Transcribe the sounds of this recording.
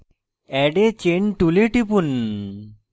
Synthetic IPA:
ɛɖet͡ɕeɳʈuleʈipun

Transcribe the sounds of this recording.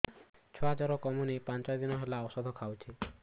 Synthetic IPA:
t͡ʃʰɔɦɔd͡ʒaɾɔkɔmunipant͡ʃɔjd̪inɔɦelaɔsɔd̪ʱɔkʰawt͡ʃʰi

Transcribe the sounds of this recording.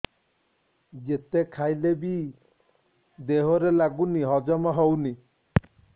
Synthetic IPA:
d͡ʒet̪ekʰajlebi | d̪eɦoɾelaɡuniɦɔd͡ʒɔmɔɦowni

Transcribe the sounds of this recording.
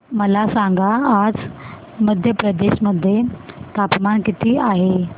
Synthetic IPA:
məlasaŋɡaːd͡z | məd̪ʱjəpɾəd̪eɕməd̪ʱːjet̪apmankit̪ʰiːaɦe

